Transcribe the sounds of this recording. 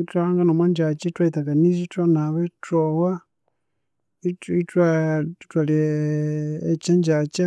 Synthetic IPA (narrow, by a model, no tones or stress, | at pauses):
taaŋɡanomwaɲd͡ʒat͡ʃitwaitakanisitwanaβetowa | itwatwalieː | t͡ʃaɲd͡ʒat͡ʃa